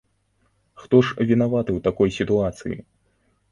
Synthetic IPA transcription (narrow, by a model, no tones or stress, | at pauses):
xt̪ɔʂvʲinavat̪ɨwt̪akɔjsʲit̪uat̪sɨ̰jḭ